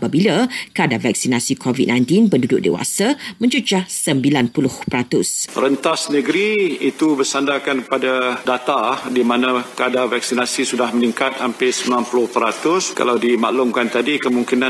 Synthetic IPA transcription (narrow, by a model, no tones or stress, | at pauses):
pabilakəadavak̚sinasikʰovid̚nãj̃nt̪inpəndudʊʔ̚dḛwa̰samə̃ɲd͡ʒud͡ʒasəmbilanpulʊhpəɾat̪ʊsrənt̪asnə̃ɡəɾiit̪ubəsandakankəpadadat̪adimanãkəadavak̚sinasisudahməniŋkat̪hampɪsəmilanpulʊhpəɾat̪ʊska̰lawdimaʔlumkant̪adikəmuŋkinã